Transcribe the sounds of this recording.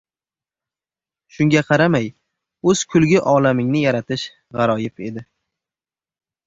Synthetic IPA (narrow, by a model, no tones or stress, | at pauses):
ʃʊŋɡʲaqʰɑɾamaj | ɵz̥kʰʊlɡʲɪʔɒlamɪŋnɪjaɾat̪ʰɪʃ | ʁɑɾɒjɪpʰe̞d̪ɪ